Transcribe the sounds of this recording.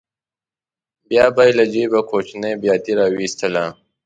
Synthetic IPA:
bjɑːbajlad͡ʒibakot͡ʃnəjbjɑt̪iɾɑwist̪əla

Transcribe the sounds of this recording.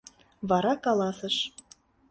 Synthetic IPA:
βɑɾɑkɑlɑsəʃ

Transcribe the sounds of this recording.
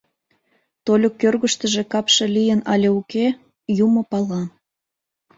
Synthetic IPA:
t̪olʲokːørɣəʃt̪əʒe̽kɑpʃelijənɑlʲeuke | jumopɑlɑ

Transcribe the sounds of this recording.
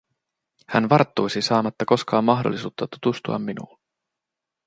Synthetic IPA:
hænʋɑrt̪ːujsisɑːmɑt̪ːɑko̞skɑːmːɑɦdolːisuːt̪ːɑt̪ut̪ust̪uɑ̰mːinṵlː

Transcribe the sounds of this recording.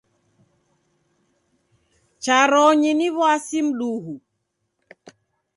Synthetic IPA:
t͡ʃaɾɔɲiniβwasim̩ɗuɦu

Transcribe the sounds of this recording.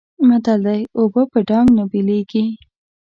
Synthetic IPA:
mat̪ald̪ajobəpəɖɑŋɡnʊbileɡi

